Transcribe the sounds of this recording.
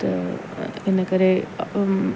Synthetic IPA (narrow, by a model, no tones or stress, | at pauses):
enːɐkɐɾe